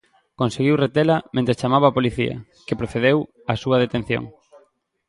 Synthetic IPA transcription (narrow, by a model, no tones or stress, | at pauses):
konseɣ̞iwret̪elɐmẽnt̪ɾest͡ʃamaβaːpoliθiɐ̰ | kepɾoθeðew | asuɐð̞et̪en̟θjo̰ŋ